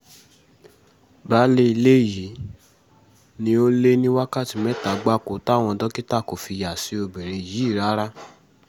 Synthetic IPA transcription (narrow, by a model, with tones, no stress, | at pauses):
ba˨˦le˧i˧le˦˨ji˨˦ | nĩ˧o˦le˦nĩ˦wa˦ka˦˨ti˨mɛ˦ta˨ɡ͡ba˦˨ko˨ta˦˨w̃ɔ̃˧dɔ˦ki˦ta˦˨ko˨fi˧ja˨si˨˧˦o˧bɛ˨ɾe˧˨ji˨˦˨ɾa˦ɾa˦